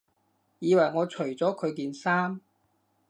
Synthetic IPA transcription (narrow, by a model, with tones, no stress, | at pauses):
jiː˨˧wɐ˨˩jŋɔː˨˧t͡ʃʰɵ˨˩t͡sɔː˨˥kʰɵ˨˧ɥk̬iː˧nsaː˥m